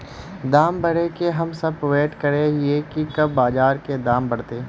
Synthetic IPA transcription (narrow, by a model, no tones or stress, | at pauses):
d̪aːmbɐɽekeɦɐmsɐbpʋeːʈkɐɾeɦiekikɐbːaːd͡ʒaːɾked̪aːmbɐɽt̪eː